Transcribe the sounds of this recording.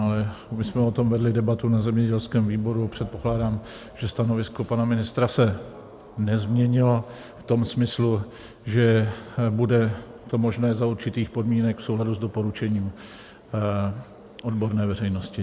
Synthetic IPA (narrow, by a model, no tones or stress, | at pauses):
alɛmɪsmɛo̞t̪o̞mvɛdlɪdɛbat̪unazɛmɲɛɟɛlskɛːmviːbo̞ɾuapr̝̥ɛt̪̚po̞klaːdaːm | ʒɛst̪anovɪsko̞panamɪnɪst̪ɾasɛ | nɛzmɲɛɲɪlo̞ | ft̪o̞msmɪslu | ʒɛbudɛt̪o̞mo̞ʒnɛːzauɾt͡ʃɪt̪iːxpo̞dmiːnɛkfsowladuzdo̞po̞ɾut͡ʃɛɲiːm | ʔo̞dbo̞ɾnɛːvɛrɛjno̞scɪ